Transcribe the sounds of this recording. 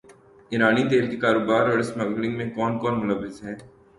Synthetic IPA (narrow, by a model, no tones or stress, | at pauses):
ɪɾaːnit̪̬eːlkikaːɾoːbaːɾɔːɾɪsmɐɡlɪ̃ŋɡmẽkɔːnkɔːɾmʊləʋːɪzɦɛː